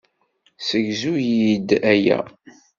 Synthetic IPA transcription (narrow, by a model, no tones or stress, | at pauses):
səʝzujid̪æjæ̰